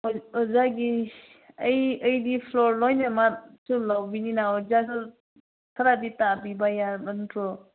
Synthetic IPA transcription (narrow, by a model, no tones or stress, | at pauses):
ɔzaɡi | əjəjdipʰlɔɾlɔjnamatsulawbininaɔzasu | sʰaɾaditabibajabantʰɾɔ